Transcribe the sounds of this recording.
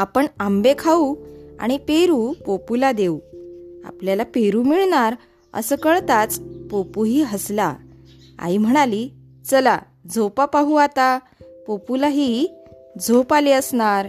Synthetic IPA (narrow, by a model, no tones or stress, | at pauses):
apəɳambekʰaua̰ɽ̃ipeɾupopulad̪eua̰pljalapeɾuːmiɭɳaɾ | ə̰səkəɭt̪at͡spopuɦiːɦəsla̰ | a̰im̤əɽ̃ali | t͡səla | d͡zopapaɦuat̪a | populaɦi | d͡zʱopaliəsɳaɾ